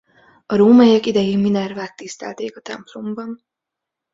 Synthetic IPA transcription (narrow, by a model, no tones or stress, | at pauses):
ɒɾoːmɛjɛkid̪ɛjiminɛrvaːt̪ːist̪ɛ̰lt̪eːkɒt̪ɛ̰mplo̞mbɒn